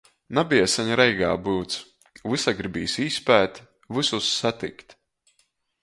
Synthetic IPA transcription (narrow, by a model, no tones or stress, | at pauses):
nabiɛsaɲɾɛjɡa̰ːbɨwt̪s | vɨsaɡɾibʲiːsiːspæːt̪ | vɨsusːat̪ḭkt̪